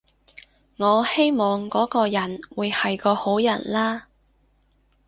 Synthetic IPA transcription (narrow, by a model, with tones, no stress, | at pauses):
ŋɔː˨˧he˥jmɔː˨ŋkɔː˨˥kɔː˧jɐ˨˩nwuː˨˧jhɐ˨jkɔː˧ho˨˥wjɐ˨˩nlaː˥